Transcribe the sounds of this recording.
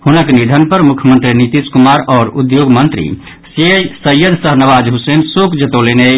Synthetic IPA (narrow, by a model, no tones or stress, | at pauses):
hunəknid̪ʱənpəɾmukʰjəmənt̪ɾinit̪iskumaɾɔːɾud̪joɡmənt̪ɾḭ | sesəjəd̪ʱsəɦnəʋaːd͡ʒɦusensokd͡ʒət̪olene